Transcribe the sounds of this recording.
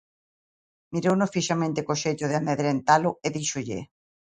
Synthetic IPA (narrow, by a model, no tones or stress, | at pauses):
miɾownofiʃamẽnt̪ekoʃeʎoðeameðɾent̪alʊeðiʃoʎḛ